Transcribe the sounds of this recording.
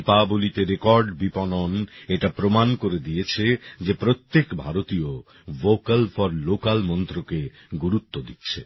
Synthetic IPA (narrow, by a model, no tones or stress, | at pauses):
pabolit̪eɾekɔɾɖbipɔnoneʈapɾomankoɾed̪ijet͡ɕʰed͡ʑepɾot̪ːekbʱaɾot̪io | vokalfɔɾlokalmɔnt̪ɾoke | ɡuɾut̪ːod̪itːɕʰḛ